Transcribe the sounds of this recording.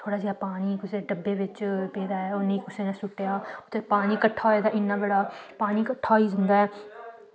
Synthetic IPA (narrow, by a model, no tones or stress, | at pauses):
t̪ʰoːɽaːd͡ʒeːaːpaːniːkʊseːɖəbːeːʋɪt͡ʃpẽːd̪aːɛːoːnĩːkʊseːnãːsʊʈːejaːʊt̪ːeːpaːniːkəʈʰːaːɦoeːd̪aːʔɪnːaːbəɽaːpaːniːkəʈʰːaːoiːd͡ʒənd̪aːɛː